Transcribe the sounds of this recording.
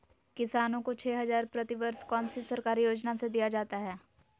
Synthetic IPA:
kɪsaːnõkot͡ʃʰɛːɦɐzaːɾpɾɐt̪iʋɐɾskɔːnsisɐɾkaːɾijoːd͡ʒnased̪ijad͡ʒaːt̪aɦɛː

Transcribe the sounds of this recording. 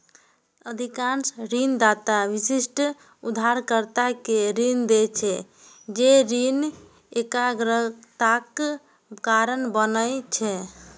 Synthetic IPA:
əd̪ʱikansɾind̪at̪aʋisisʈ | ud̪ʱaɾkəɾt̪akeɾind̪et͡ʃʰɛ | d͡ʒeɾin | ekaɡɾət̪ak | kaɾənbənət͡ʃʰɛ

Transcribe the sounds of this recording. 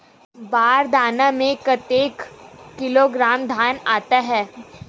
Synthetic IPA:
baːɾd̪aːnamẽkɐt̪eːkːɪloɡɾaːmd̪ʱaːnaːt̪aɦɛː

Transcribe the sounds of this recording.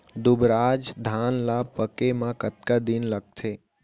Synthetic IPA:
d̪ʊbɾad͡ʒd̪ʱaːnlapəkemãkət̪kad̪inləɡ̚t̪ʰeː

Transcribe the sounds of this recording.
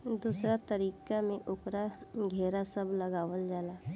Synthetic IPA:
d̪uːsɾat̪əɾiːkamẽʔʊkɾaɡʱeːɾasəbləɡaːʋəld͡ʒaːlaː

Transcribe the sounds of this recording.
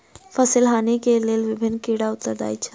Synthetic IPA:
fəsilɦanikelelʋibʱinːkiɽaut̪ːəɾd̪a̰jt͡ɕʰa

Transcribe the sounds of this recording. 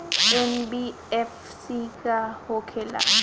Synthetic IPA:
ɛnbi | ɛf | sikʼahɔkʰɛla̰

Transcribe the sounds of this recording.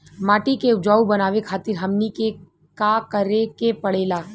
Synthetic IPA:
maːʈikeʊd͡ʒaːubɐnaːʋekʰaːt̪ɪɾɦɐmnike | kakəɾekepɐɽeːlaː

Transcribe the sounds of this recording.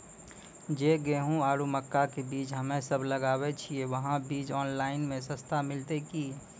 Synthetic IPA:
d͡ʒeːɡeːɦũaːɾuməkːakebiːt͡ʃɦəmẽsəbʱləɡaːwet͡ʃʰieʋəɦãbiːt͡ʃɔːnlaːɪnmẽsəst̪ʰamɪlt̪ekiː

